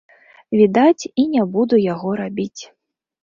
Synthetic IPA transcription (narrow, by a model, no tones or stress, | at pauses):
vʲid̪at͡sʲinʲabud̪ujaɣɔɾabʲit͡sʲ